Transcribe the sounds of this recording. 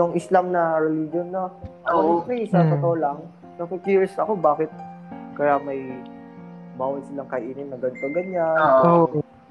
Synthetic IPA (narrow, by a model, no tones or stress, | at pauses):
ʊŋɪslamnɐɾɛlid͡ʒonːoʔoʔoːkɛjsɐt̪ot̪ɐʔolɐŋ | nɐkokiɹsɐko̞baːkɪt̪̚kɐjamɐj | baːwɐnsɪlaŋkɐhɐʔiːnɪnnɐɡɐnt̪ɐɡɐɲano